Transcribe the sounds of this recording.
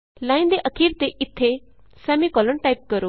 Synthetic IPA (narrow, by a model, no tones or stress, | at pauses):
lãːĩnd̪eʔəkʰiːɾt̪eʔɪt̪ʰːe | sɛːmikɔləɳʈaip̚kəɾo